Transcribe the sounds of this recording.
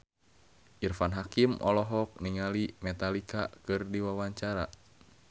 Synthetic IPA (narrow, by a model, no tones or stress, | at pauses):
ʔirfanɦakimɔ̰lɔɦɔk̚niŋalimɛt̪alikakɨrdiwawaɲt͡ʃaɾa